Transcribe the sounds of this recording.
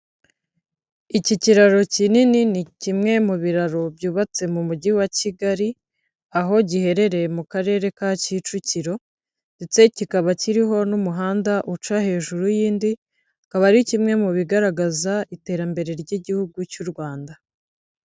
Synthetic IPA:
iciciɾaɾo̞cinininicimŋe̞muβiɾaɾo̞bjuːβat͡se̞mumuɟiwaciɡaɾi | aɦo̞ɟihe̞ɾe̞ɾe̞mukaɾe̞ːɾe̞kacit͡ʃuciɾo̞ | nde̞t͡se̞cikaβaciɾiɦo̞numuɦaːndaʔut͡ʃahe̞ːʒuɾujiːndi | kaβaɾicimŋe̞muβiɡaɾaɡazaite̞ːɾambe̞ɾe̞ɾɟiɟihuɡucuɾɡwaːnda

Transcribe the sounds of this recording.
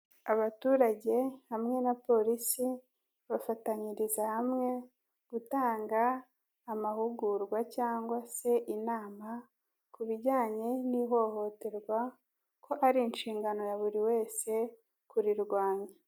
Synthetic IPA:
aβatuːɾaɟe̞hamŋe̞napo̞ɾisi | βafataɲiɾizahamŋe̞ | ɡ̥utaːŋɡaː | mahuɡuɾɡwacaːŋɡwase̞ʔinaːma | kuβiɟaːɲe̞niɦo̞ho̞te̞ɾɡwa | kʰo̞ʔaɾiːnʃiːŋɡano̞jaβuɾiwe̞ːse̞ | kuɾiɾɡwaːɲa

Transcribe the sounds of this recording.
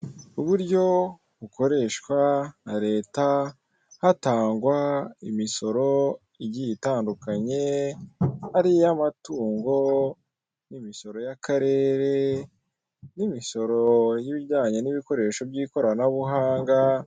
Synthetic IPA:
uβuɾɟo̞ | βuko̞ɾe̞ʃkwanaɾe̞ːta | hataːŋɡwaimiso̞ɾo̞ | iɟijitaːndukaɲe̞ | haɾiamatuːŋɡo̞ | nimiso̞ɾo̞jakaɾe̞ːɾe̞ | nimiso̞ɾojiβiɟaːɲeniβiko̞ɾe̞ːʃo̞bɟiːko̞ɾanaβuɦaːŋɡa

